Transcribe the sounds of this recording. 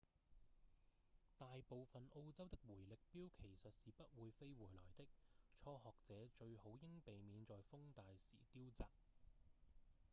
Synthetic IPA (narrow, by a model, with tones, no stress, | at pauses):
t̪aː˨jpo˨wfɐ˨nʔo˧wt͡sɐ˥wt̪ɪ˥k̚wuː˨˩jlɪ˨k̚piː˥wkʰe˨˩jsɵ˨t̚siː˨pɐ˥t̚wuː˨˧jfe˥jwuː˨˩jlɔː˨˩jt̪ɪ˥k̚t͡ʃʰɔː˧hɔː˨k̚t͡sɛː˨˥t͡ʃɵ˧ɥho˨˥wjɪ˥ŋpe˨jmiː˨˧nt͡sɔː˨jfʊ˥ŋt̪aː˨jsḭː˨˩t̪iː˥wt͡saː˨k̚